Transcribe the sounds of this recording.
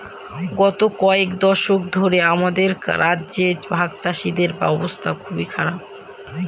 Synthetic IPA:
ɡɔt̪okɔekd̪ɔʃok̚d̪ʱoɾeamad̪eɾɾadʑed͡ʑbʱaɡt͡ɕaʃid̪eɾba̰ɔbost̪ʰakʰubikʰaɾab̚

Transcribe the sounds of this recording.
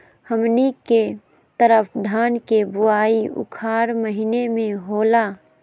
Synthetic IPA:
həmnike | t̪əɾəpʰd̪ʱaːnkebʊaːiʊ̰kʰaːɾməɦinemẽɦoːlaː

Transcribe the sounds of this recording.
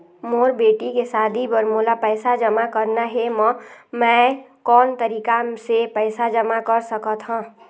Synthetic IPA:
moːɾbeːʈikesaːd̪ʱibəɾmolapɛɪsad͡ʒəmakəɾnaɦemə̃mɛ̃kɔːnt̪əɾiːkasepɛɪsad͡ʒəmakəɾsəkət̪ɦãː

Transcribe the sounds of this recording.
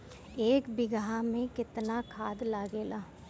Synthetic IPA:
eːkbɪɡaɦamẽkɪt̪nakʰaːd̪laːɡeːlaː

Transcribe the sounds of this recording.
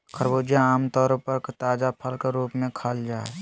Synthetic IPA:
kʰəɾboːd͡ʒjaaːmt̪ɔːɾpɐɾkt̪aːd͡ʒapʰəlkeɾuːpmẽkʰaːld͡ʒaːɛ

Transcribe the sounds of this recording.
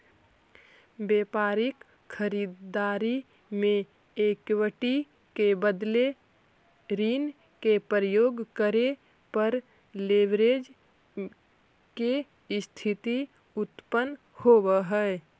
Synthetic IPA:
beːpaːɾɪk | xʰəɾiːd̪d̪aːɾi | mẽ | eːkwəʈi | kebəd̪le | ɾiːn | kepɾəjoːɡkəɾe | pəɾ | leʋɾed͡ʒ | ke | st̪ʰɪt̪i | ʊt̪pən | howəɦɛ

